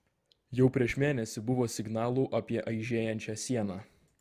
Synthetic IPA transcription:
jɛʊpʲɾʲiɛʃmʲeːnʲɛsʲɪbʊʋoːsʲɪɡnɑːlˠuːʔɐpʲiɛʔɐɪʒʲeːjɛnʲt͡ʃʲæːsʲiɛnɑː

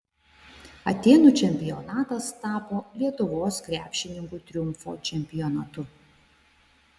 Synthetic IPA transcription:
ɐt̪ʲeːnuːt͡ʃʲɛmʲpʲɪjɔnɑːt̪ɐst̪ɑːpoːlʲiɛt̪ʊʋoːskɾʲæːpʲʃʲɪnʲɪŋkuːt̪ʲɾʲʊmˑfo̰ːt͡ʃʲɛmʲpʲɪjɔnɐt̪ʊ

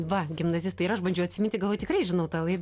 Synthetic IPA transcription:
ʋɐɡʲɪmnɐzʲɪst̪ɐɪɾɐʃbɐnʲd͡ʒɛʊɐt̪ʲsʲɪmʲɪnt̪ʲɪɡɐlˠoːjtʲɪkrɐɪʒʲɪnɐʊt̪ɑːlˠɐɪd̪

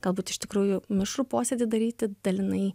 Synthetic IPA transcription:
ɡ̥ɐlˠbuːt̪ɪʃt̪ʲɪkɾuːjʊmʲɪʃɾuːpoːsʲeːd̪ʲɪd̪ɐɾʲiːt̪ʲɪd̪̥ɐlʲɪnɐɪ

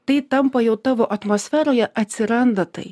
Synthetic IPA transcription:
t̪ɨjt̪ɐmpɐjɛwt̪ɐʋɔʔɐt̪mɔsʲfʲɛɾɔjɛʔɐt̪ʲsʲɪɾand̪ɐt̪ɨ̰j

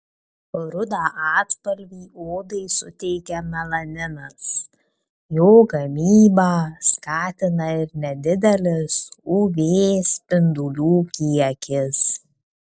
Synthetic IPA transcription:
ɾʊd̪aːʔɑːt̪pɐlʲʋʲiːʔoːd̪ɐɪsʊt̪ʲɛɪkʲɛmʲɐlˠɐnʲɪnɐs | joːɡɐmʲiːbɑːskɑːt̪ʲɪnɐɪɾnʲɛd̪ʲɪd̪ʲɛlʲɪsuʋʲeːspʲɪnd̪ʊlʲuːkʲiɛkʲɪs

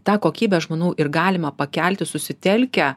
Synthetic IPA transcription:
t̪ɑːkoːkʲiːbʲɛʒmoːnuʊʔɪrɡɑːlʲɪmɐpɐkʲælʲt̪ʲɪsʊsʲɪt̪ʲɛlʲkʲɛ

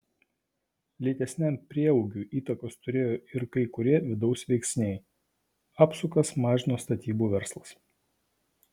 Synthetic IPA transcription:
lʲiːt̪ʲɛsʲnʲɛmʲpʲɾʲiɛɔʊɡʲuːʔiːt̪ɐkoːst̪ʊɾʲeːjoːɪɾkɐɪkʊɾʲiɛʋʲɪd̪ɒʊsʋʲɛɪksʲnʲɛɪ | ɑːpsʊkɐsmɑːʒʲɪnoːst̪ɐt̪ʲiːbuːʋʲɛɾslˠɐs

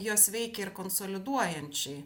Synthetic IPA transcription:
joːsʋʲɛɪkʲɛɪɾkoːnsoːlʲɪd̪uɔjɛnʲt͡ʃʲɛɪ

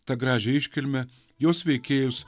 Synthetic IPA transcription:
t̪ɐɡɾɑːʒʲɛɪʃʲkʲɪlʲmʲɛ | joːsʋʲɛɪkʲeːjʊs

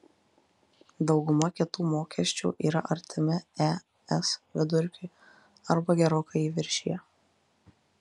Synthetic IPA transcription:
d̪ɒʊɡʊmɐkʲɪt̪uːmoːkʲɛsʲt͡ʃʲṵːʔiːɾɐʔɐɾʲt̪ʲʰɪmʲɪɛ | ɛsʋʲɪd̪ʊɾʲkʲʊɪ | ɐɾbɐɡʲɛɾoːkɐiːʋʲɪɾʲʃʲijɛ

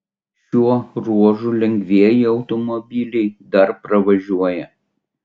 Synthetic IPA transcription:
ʃʲuɔɾuɔʒuːˑlʲɛŋʲɡʲʋʲiɛjɪɒʊt̪ɔmɔbʲilʲɛɪd̪ɐɾpɾɐʋɐʒʲuɔjɛ

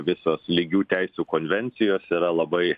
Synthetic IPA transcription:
ʋʲɪsoːslʲiːɡʲuːt̪ʲɛɪsʲuːkoːnʲʋʲɛnʲt̪sʲɪjoːsiːɾɐlˠɐbɐɪ

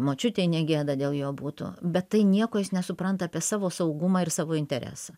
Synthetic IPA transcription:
moːt͡ʃʲʊt̪ʲeːɪnʲɛɡʲeːd̪ɐd̪ʲeːlˠjoːbuːt̪ʊ̰bʲɛt̪ːɐɪnʲiɛkoːjɪsnʲɛsʊpɾɐnt̪ɐːpʲiɛsɑːʋoːsɐʊɡʊmɑːɪrsɑːʋoːɪnʲt̪ʲɛɾʲæ̰ːsɐ

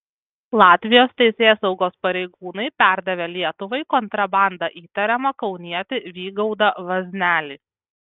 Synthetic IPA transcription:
lˠɑːt̪ʲʋʲɪjoːst̪ʲɛɪsʲeːsɒʊɡoːspɐɾʲɛɪɡuːnɐɪpʲæˑɾd̪ɐʋʲelʲiɛt̪ʊʋɐɪkɔnt̪ɾɐbɑˑnd̪ɐʔiːt̪ɐɾʲɛmɐkɒʊnʲiɛt̪ʲɪʋʲiːɡɒʊd̪ɐʋɐzʲnʲæːlʲiː

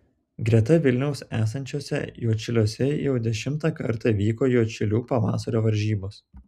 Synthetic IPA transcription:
ɡɾʲiɛt̪ɐʋʲɪlʲnʲɛʊsæːsɐnʲt͡ʃʲoːsʲɛ̰juɔt͡ʃʲɪlʲuɔsʲɛjɛʊd̪ʲɛʃʲɪmt̪ɑːkɐɾt̪ɑʋʲiːkoːjuɔt͡ʃʲɪlʲuːpɐʋɑ̰ːsɐɾʲoːʋɐɾʲʒʲiːboːs

